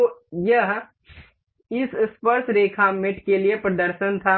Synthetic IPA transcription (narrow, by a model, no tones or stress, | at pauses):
ojɐɦ | ɪsɪspəɾt̪ʰɾeːkʰamɪʈkeliepɾəd̪əɾʃənt̪ʰa